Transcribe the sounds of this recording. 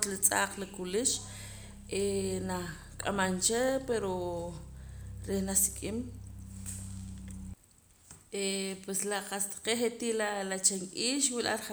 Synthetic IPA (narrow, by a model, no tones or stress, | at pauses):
t̪lit͡sʼaːqlakuliʃ | ʔena | kʼamant͡ʃepeɾo | ɾehnasi̥kʼim | epweslaqast̪ḁqeχet̪ilalat͡ʃeŋkʼiːʃwilʔa̰ɾa